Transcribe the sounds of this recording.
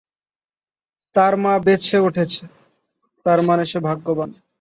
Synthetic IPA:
t̪aɾmabet͡ɕʰeuʈʰet͡ɕʰe | t̪aɾmaneʃebʱaɡːoban

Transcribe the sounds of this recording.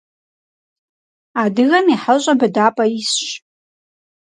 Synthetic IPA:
adɨɣamiħaɕʷʼabadapʼaisʃ

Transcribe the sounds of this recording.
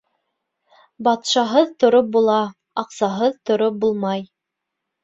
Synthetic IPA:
bɑt̪ʃɑɦɤðt̪ŏɾop̚bulˠɑ | ɑqsɑɦɤðt̪ŏɾop̚bulˠmɑj

